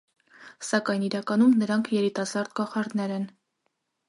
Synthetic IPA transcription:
sɑkɑjniɾɑkɑnumnəɾɑŋkʰjɛɾit̪ɑsɑɾd̪kɑχɑɾnɛɾɛn

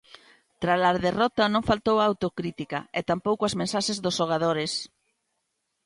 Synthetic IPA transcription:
t̪ɾalaɾðerɔt̪ɐnõŋfalt̪owaːwt̪okɾit̪ikɐɛt̪ampowkoazmẽnsaʃezðosʃoɣ̞aðoɾɪs

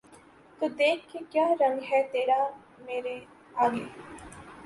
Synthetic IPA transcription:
kəd̪eːkkːekjaːɾəŋɡɦɛːt̪eːɽaː | meːɾe | aːɡeː

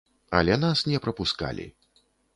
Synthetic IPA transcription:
ɐ̰lʲɛnasnʲɛpɾɐpuska̰lʲḭ

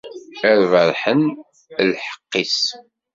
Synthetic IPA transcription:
æɾvəɾˤħən | lħə̥qːis

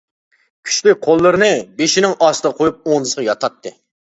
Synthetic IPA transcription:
kʲʰy̥t͡ʃlyk̚ʲqʰolˠːɨɾɨnɨbeʃinɪŋɑst̪əqʰojup̚oŋnɨsəʁɑjɑt̪ʰɑt̪ʰːɨ

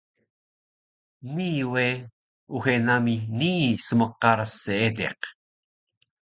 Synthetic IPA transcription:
miːwe | uxenaminiːsəməqɑɾsːeet̪ḛq

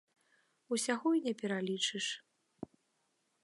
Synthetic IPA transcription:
usʲaɣɔinʲɛpʲɛɾalʲit͡ʂɨʂ

